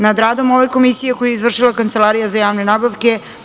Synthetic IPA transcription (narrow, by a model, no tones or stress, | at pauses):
nad̪ɾaːd̪o̞moʋe̞ko̞misije̞kojujeizʋr̩ʂʃilˠakant̪se̞lˠaɾijazajaːʋne̞nabaʋke̞